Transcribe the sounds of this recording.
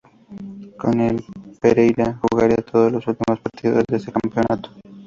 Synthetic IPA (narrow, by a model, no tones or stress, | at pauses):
konelpeɾejɾaxuɣaɾiat̪ʰoðozlosult̪imospaɾt̪iðo̰zðeesekampeo̞nat̪o̥